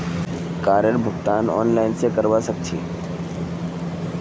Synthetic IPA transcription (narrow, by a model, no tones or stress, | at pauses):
kaːɾjəɾbʱʊɡt̪aːnɔ̰ːnlaːɪnsekəɾʋasək̚t͡ʃʰḛː